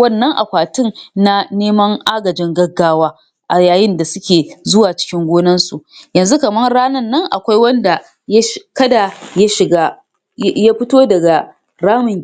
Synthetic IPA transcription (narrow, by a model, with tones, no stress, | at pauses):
wɐ˦˨nːɐ˦ŋʔa̰˨kʷaː˨tɪ˦nna˦neː˦mɐ˦ŋʔaː˦ɡɐ˨d͡ʒɪ˦ŋɡɐ˦ɡːaː˦waː˦ | ʔa˨jaː˨jɪ˦nda˨sʊ˦kʲeː˨zʊ˦waː˨t͡ʃɪ̥˦kʲɪ˦ŋɡʷoː˦nɐ˦nsu˨ʔjɐ˨nzu˦kɐ˨mɐ˦nɽaː˦nɐ˦˨nːɐ˦ŋʔa̰˨kʷa˦jwɐ˦nda˨ | jkɐ˦da˨ja˦ʃɪ˨ɡaː˦ | ja˦ɸɪ˦toː˦dɐ˨ɡa˨ | ɾaː˦mʊ˨ŋ